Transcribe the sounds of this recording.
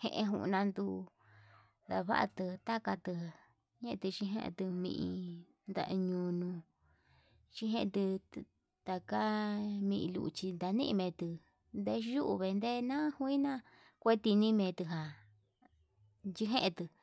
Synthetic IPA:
hḛ̃˧ʔẽ˧ɦũ˧ʔnã˧nd̪u˧ | d̪a̰˧βa̰˦ʔa̰˧t̪ɨ˧t̪a˦ka˧t̪ɨ˧ | ɲẽ˦ʔt̪ɨ˧t͡ʃi˧ɦḛ̃˦ʔt̪ɨ˧mḭ̃˧ʔĩ˧ | nd̪a̰˧ʔɲũ˧nũ˧ | t͡ʃĩ˧ɦẽ˦ʔt̪ɨ˧ | t̪a˨ka˦mĩ˧ʔĩ˧lṵ˧ʔt͡ʃi˧nd̪a˧nḭ̃˦ʔmẽ˧t̪ɨ˧ | nd̪e˧ʒu˦ʔu˧βe˧nd̪e˦nã˦hu˦i˦nã˦ | kʷe˦t̪i˧nĩ˦mẽ˨˧t̪ɨ˧ɦa˨ | d͡ʒi˧ɦẽ˦ʔt̪ɨ˨

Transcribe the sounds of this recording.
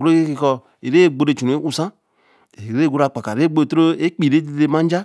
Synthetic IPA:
ɡu˦o˦ke˦ki˨kɔ˨ | e˨ɾe˦˨ɡ͡bo˨ɾe˨t͡ʃu˨n˨e˦ʔu˦sã˦ | e˨ɾe˦ɡo˦ɾa˨k͡pa˨ka˨e˦ɡ͡bo˦˨tɾo˦e˦k͡pi˨ɾe˦de˦e˦ma˦n˦d͡ʒa˦

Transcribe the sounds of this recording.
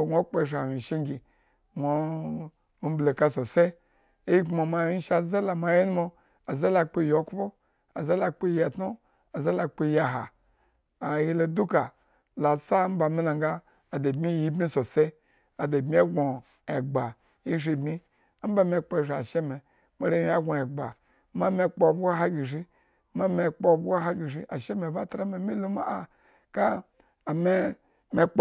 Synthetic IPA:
ŋʷo˦k͡pe˦˨ʃ̬a˨hi˨ʃi˦ŋɡʲi˨ | nʷo˨˦ | m̩˦ble˨ka˦so˨se˦ | e˦ji˦kmo˨ma˨˦ʃa˨za˦la˨ma˨ji˦nu˦mo˦ | a˨za˦la˨k͡pe˦˨jo˨˦kpo˦ | a˨za˦la˨k͡pe˦je˨tno˦ | a˨za˦la˨k͡pe˦ja˨ɦa˨ | a˨ji˦lo˨du˦ka˨ | la˨sa˦m̩˦ba˨mi˦la˨ŋɡaː˦˨ | da˨bmi˦ji˦bmi˦so˨se˦ | a˨da˨bmi˦a˦ɡo˨ | e˨ɡ͡ba˨ | i˦ʒi˧˨bmi˦ | a˦m̩˦ba˦˨me˧k͡po˦˨ʃi˨a˨ʃe˦me˨ | me˨˦ɾe˦i˦a˦ɡʷo˨e˨ɡ͡ba̰˨ | ma˦me˦k͡po˦˨bʷɦa˦ɡi˨ʒi˦ | ma˦me˨k͡po˦˨bʷɦa˦ɡi˨ʒi˦ʔa˨ʃe˦me˨ba˦tɾa˦me˨mi˦lo˦ma˦a˨ | kaː˦˨ | me˦ | me˦k͡p

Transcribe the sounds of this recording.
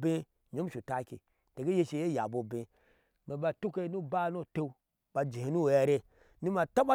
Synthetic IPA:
be˦ | ɲo˦m˦ʃu˨ta˦kḭ˨ | te˨ɡe˦je˦ʃi˨je˦˨ja˨bo˨bẽ˨ | me˨ba˧tu˦ke˦nu˦ba˦˨˦no˦˨te˦u˦ | ba˧d͡ʒi˨he˨˦nu˦˨ja˨ɾe˦ | nu˦ma˨ta˦ba˦

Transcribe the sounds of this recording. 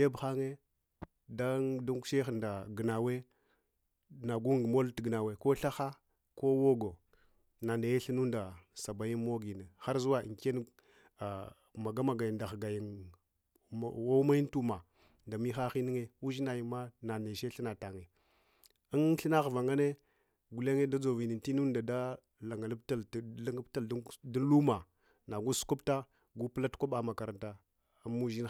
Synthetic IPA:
de˦bxa˦ŋe˦ | da˦du˦ŋku̥˦ʃe˦xi˨nda˨ɡə˨na˨we˦ | na˨ɡu˦ŋ˨ɡmo˦ltɡə˨na˨we˨ko˦ɬa˦xa˦ | ko˦wo˦ɡo˨ | na˨ne˨je˦ɬi˦nu˦nda˨sa˨ba˨ji˦mo˦ɡi˨ne˨xa˦ɾzu˦wa˦˨ke˦n˦˨ | ma˨ɡa˦ma˨ɡa˨ji˨nda˨xɡa˨ji˨n˨ | wo˦ma˦ji˦n˦tu˦ma˨ | nda˨mi˦xa˦xi˦ni˦ŋe˦u˦ʒi˦na˨ji˨ma˦na˨ne˨ʃe˦ɬi˦na˨ta˨ŋe˨ | i˦nɬi˦na˦xva˨ŋa˦ne˦ | ɡu˨le˦ŋe˦da˦d͡zo˨vi˨ni˨nti˦nu˦nda˨da˦ | la˨ŋa˨la˦b̚ta˦llŋ˦bta˨ldi˦n˦lu˦ma˨ | na˨ɡu˦su̥˦ku˦pta˦ | ɡu˦pla˦tkʷa˦ɓa˦ma˨ka˨ɾa˨nta˦ | mu˦ʒi˦n

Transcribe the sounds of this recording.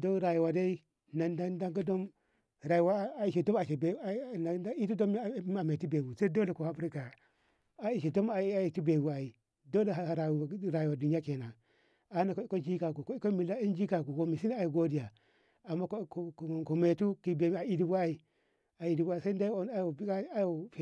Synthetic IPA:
do˦ɾa˨ji˨wa˨da˦i˦ | na˨da˦da˦ŋɡa˦do˦m | ɾa˨ji˨wa˦a˨i˨ʃi˨do˦ma˨ʃe˨be˨˦na˨˦a˦i˦tu˦do˦m˦˨˦a˨me˨tu˦be˨bu˨sa˦do˦le˨ko˨ha˦bɾi˦ka˨ | a˨i˨ʃi˨do˦ma˨˦a˨i˨tu˦be˨bu˨a˨i˨ | do˦le˨a˨a˨ɾa˨˦ɾa˨ji˨wa˨du˨ni˦a˦ke˨na˨ | a˨˦na˨ko˦i˦ko˦d͡ʒi˦ka˨ku˨ko˦i˦ko˦mi˨la˦i˦nd͡ʒi˦ka˨ku˨ko˨mi˨si˦n˦a˨ji˨ɡo˦di˨ja˨ | a˨mːa˦kkko˨me˨tu˦ki˨be˨˦˨a˨i˦di˦bu˦a˦i˨ | a˨i˨di˨ba˦i˨sa˦nda˦˨a˦ja˨bi˦ka˦a˦ja˨f

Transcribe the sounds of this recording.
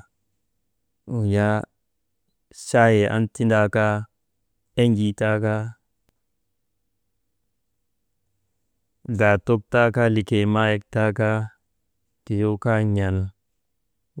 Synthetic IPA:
u˨ja˦ | ʃa˦je˨ʔa̰˦nti˦nda˦ka˦ | e˦ɲd͡ʒi˨ta˦ka˦ | ɡa˨to˦k̚ta˦ka˦li˨ke˨ma˦je˦k̚ta˦ka˦ | ke˨jo˦ka˦ɲa˨l

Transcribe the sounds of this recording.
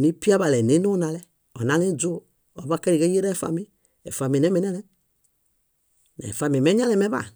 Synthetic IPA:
ni˦pi˦a˦ba˨lɛ˨ne˨˦nu˦na˨lɛ˦ | ɔ̰˨na˨˦le˦d͡ʒu˦ | ɔ˨ba˦ke˦ɾi˨ɡe˦je˦ɾɛ˦˨fa̰˨mi˦ | ḛ˨fa˨mi˨nɛ˦mɛ˨˦nɛ˦lɛ˦ | nɛ̰˨fa˨mi˨me˦ɲa˦lɛ˨mɛ˦ba̰˨

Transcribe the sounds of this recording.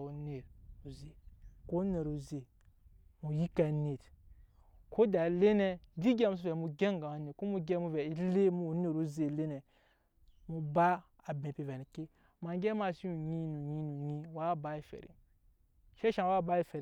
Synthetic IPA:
u˨ne˨ɾu˨ze˨ko˦ne˨ɾu˨ze˨ | mu˨ji˦ka˨ne˨t | ko˦da˨le˦ne˦di˦ɡʲɛ˦mu˨˦su˦vɛ˨mu˨ɡe˦ŋɡa˨a˨ne˨ko˦mu˨ɡʲɛ˦mu˦vɛ˨i˦le˦mu˦u˨ne˨ɾu˦ze˨le˦nɛ˨ | mu˨ba˦ | a˨bẽ˨pi˨vɛ˨ni˨ki˦ | ma˨˦ɡʲɛ˦ma˦˨si˦u˨ɲi˦nu˨ɲi˦nu˨ɲi˦wa˦ba˦i˨fḛ˨ɾḭ˨ | ʃe˦ʃa˨wa˦ba˦i˦fe˨ɾ

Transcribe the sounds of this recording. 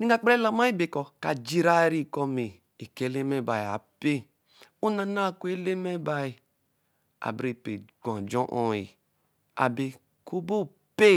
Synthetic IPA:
ni˦a˦˨k͡pɾe˦la˨ma˦i˦be˨kɔ˨ka˨d͡ʒi˦ɾa˦ɾi˦ko˦me˨ | e˨ke˦le˦me˦˨ba˨i˨a̰˨pe˦ | u˦na˨na˦˨ku˦e˦le˦me˦ba˨i˨ | a̰˨bɾi˨pe˨ɡõ˨d͡ʒɔ˦ʔo˦ḭ˨ | a̰˨be˨ | ku˦bo˦˨ | pe˦

